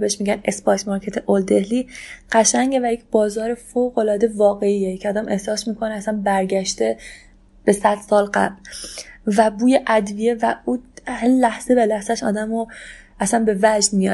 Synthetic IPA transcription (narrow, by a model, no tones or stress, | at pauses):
beeʃmiːɟæne̞spɒːjt̪mɒːɾkʰet̪ʰeʔold̪e̞hliːɢ̥æʃæŋɟe̞væjecʰʲb̥ɒːzɒːɾefoɣo̞lɒːd̪e̞vɒːɣe̞iːecʰeɒːd̪æmʔe̞hsɒːsmiːkʰo̞neæsænbæɾɟæʃt̪e̞ | b̥e̞sæd̪̥sɒːlɢæ̰blvæbuːjeʔæd̪vije̞væuhælæhz̥ebelæhz̥æʃɒ̰ːd̪æmo | æsænbe̞væd͡ʒnmijɒ̰̥